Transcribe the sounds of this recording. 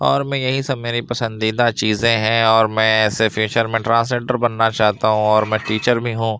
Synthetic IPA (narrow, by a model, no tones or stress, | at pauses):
ɔːɾmɛ̃jɐɦisɐbmeːɾipɐsə̃nd̪iːd̪at͡ʃiːzẽɦɛ̃ɔːɾmɛ̃ɛːsefjuːt͡ʃəɾmẽʈɾãːns̬leːʈəɾbɐnːat͡ʃaːɦt̪aɦũɔːɾmɛ̃ʈiːt͡ʃəɾbʱiɦũ